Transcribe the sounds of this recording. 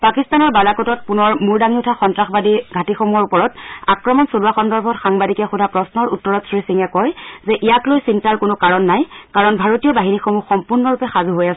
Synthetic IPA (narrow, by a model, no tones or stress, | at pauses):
pakistanɔɹbalakɔtɔt̚punɔɹmuɹdaŋiutʰaxɔntɹaxbadiɡʱatixomuɔɹupɔɹɔtakɹɔmɔnsoluaxɔndɔɹbʱɔtxaŋbadikɛxudʱapɹɔsnɔɹutːɔɹɔtsɹisiŋɛkɔjzɛʔijaklojsintaɹkʊnʊkaɹɔnːajkaɹɔnbʱaɹotijɔbaɦinixomuxɔmpuɹnɔɹupɛxazuɦojasɛ